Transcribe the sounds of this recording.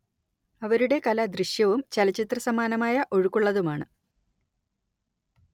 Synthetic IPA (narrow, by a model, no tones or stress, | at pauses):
ɐʋɐɾuɽe̞kɐlɐd̪riʂjɐʋumt͡ɕɐlɐt͡ɕit̪rɐsɐmaːnɐmaːjɐʔo̞ɻukːuɭːɐðumaːɳɨ